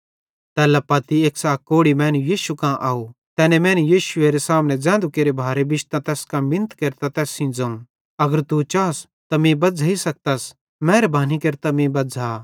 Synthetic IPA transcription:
t̪ɛːlapɐt̪ieːksaːkkoːɽimɛ̃ːnujiːʃukãʔaːu | t̪ɛːnɛ̃mɛ̃ːnujiːʃʊeːɾesãːmnɛ̃d͡zɛ̃ːnd̪ukeːɾebʱaːɾebɪt͡ʃt̪ãt̪ɛːskãmɪ̃nt̪keːɾt̪at̪ɛːsĩd͡zɐ̃ũ | ɐɡəɾt̪ut͡ʃaːs | t̪amẽbɐd͡zʱaisɐk̚t̪as | mɛ̃ːɾbaːnikeːɾt̪amẽbɐd͡zʱa

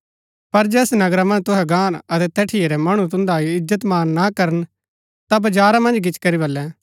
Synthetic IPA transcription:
pɐɾd͡ʒɛːsnɐɡɾamɐ̃nd͡ʒt̪ʊɦɛɡãːnɐt̪ɛt̪ɛːʈʰɪeɾɛmɐɽ̃ũt̪ʊ̃nd̪aːiɪd͡ʒət̪maːnːakɐɾən | t̪abɐd͡ʒaːɾamɐ̃nd͡ʒɡɪt͡ʃkɐɾibɐlːɛː

